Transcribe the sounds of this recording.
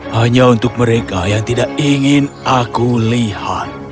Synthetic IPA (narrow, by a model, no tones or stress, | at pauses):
haɲaunt̪ʊk̚məɾekajaŋt̪idaʔiŋɪnʔakuliha̰t̪̚